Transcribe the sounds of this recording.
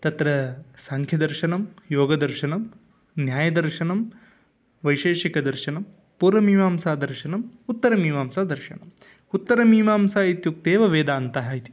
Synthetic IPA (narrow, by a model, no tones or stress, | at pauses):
t̪ɐt̪ɾɐsaŋkʰjɐd̪ɐɾʃɐnɐmjoːɡɐd̪ɐɾʃɐnɐm | njaːjɐd̪ɐɾʃɐnɐm | ʋɐjʃeːʃikɐd̪ɐɾʃɐnɐm | puːɾʋɐmiːmaːmsaːd̪ɐɾʃɐnɐmut̪ːɐɾɐmiːmaːmsaːd̪ɐɾʃɐnɐm | ut̪ːɐɾɐmiːmaːmsaːit̪juk̚t̪eːʋɐʋeːd̪aːnt̪ɐɦɐit̪i̥